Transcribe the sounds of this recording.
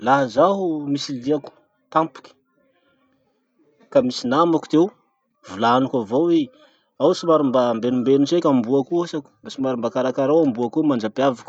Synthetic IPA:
laɦazaɦumisiliaku̥ | t̪ampu̥kʲi̥ | kamisinamaku̥t̪ew | vulanukʲavowe | awsimaɾumbambenumbenut͡ʃekʲambuakuasaku̥mbasimaɾumbakaɾakaɾawambuakumand͡ʒapiavaku̥

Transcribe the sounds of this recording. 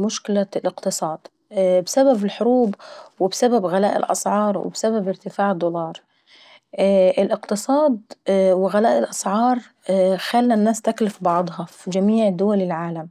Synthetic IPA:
mʊʃkɪlalʔɪqt̪ɨsˤɑːd̪̥ | bsababɪlħʊɾuːbwɪbsababɣalaːʔɪ̰lʔɑ̰sʕɑːɾˤwɪ̰bsababɪɾt̪ɪfaːʕɪd̪ʊlɑːɾˤ | ʔɪlʔɪqt̪ɨsˤɑːd̪̚wɪɣalaːʔɪlʔɑsʕɑːɾˤ | xalːanːaːst̪aklɪfbɑʕd̪ˤhɑfid͡ʒamiːʕd̪ʊwalɪlʕaːlam

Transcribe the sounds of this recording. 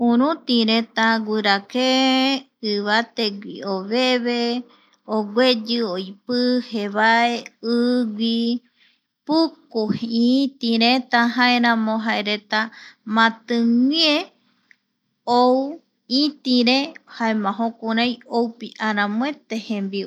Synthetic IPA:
ũɾ̃ũt̪iɾet̪aɡʷɨɾake | ɨβat̪eɡʷḭoβeβe | oɡʷed͡ʒɨojpɨheβaeɨɡʷi | pukohit̪ĩɾet̪aɦaeɾãmõɦaeɾe̞t̪amãt̪ɨŋʷie | ow | it̪ĩɾehaemãɦõkuɾajowpiʔaɾãmõet̪ehẽmbi

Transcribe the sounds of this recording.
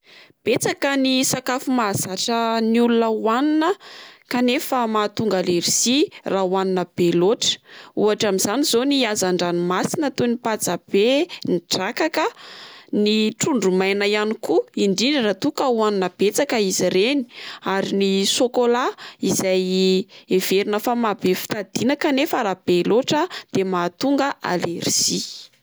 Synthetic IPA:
b̥et͡sakənisakafumazaʈ͡ʂəniulunəuwaninəkanefəmat̪uŋɡaleɾisirawaninəb̥eloʈ͡ʂə̥uaʈ͡ʂamiz̥anizoniazaɳɖ͡ʐanimasinət̪onipad͡zab̥eniʈ͡ʂakakəniʈ͡ʂuɳɖ͡ʐumajnajanikuiɳɖ͡ʐinirat̪ukəwanunəb̥et͡sakəiziɾeni̥aɾinisokolaizajeveɾunəfamabefi̥t̪ad̪̥inakanefəɾab̥eloʈ͡ʂəd̪̥emat̪uŋɡəʔa̰leriz̥i

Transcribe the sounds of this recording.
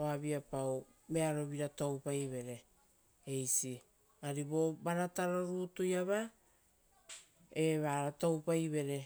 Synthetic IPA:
oaβiapaw | me̞aɾo̞βiɾatowpajβe̞ɾe̞ | ejsi | aɾibobaɾataɾoɾutujaβa | e̞βaɾatowpajβe̞ɾe̞

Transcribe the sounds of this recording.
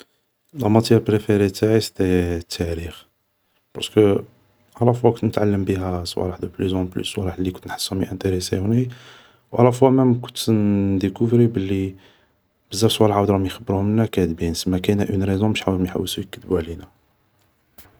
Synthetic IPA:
læmæt̪jæɾpɾefeɾet̪aʕist̪æt̪ʰːæɾix | pɑ̰ɾˤskə | ʕlæfwækʊnt̪nət̪ʕalːəmbiɦæsˤwæ̰lħd̪æplyzɑ̃ply̰swælaħlːikʊnt̪nħə̥sːumiʔænt̪eɾesḛhʊni | wʕalæfwæmæmækʊnt̪nd̪əkuvɾibəlːi | bəzːæbswælʕawd̪ɾɑmjxəbːɾuhʊmənːækæd̪binsəmːækæjnæʔynɾezɔ̃məʃħawmjħa̰wːəsujəkːəd̪əbuʕlinæ

